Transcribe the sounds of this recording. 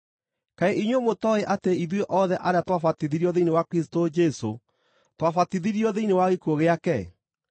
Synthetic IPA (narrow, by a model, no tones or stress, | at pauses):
kaeʔiɲwomotɔeʔateiðweʔɔðɛʔaɾeatwafatiðiɾiɔðeinewakɾistod͡ʒɛso̰ | twafatiðiɾiɔðeinewaɣekoɣeakɛ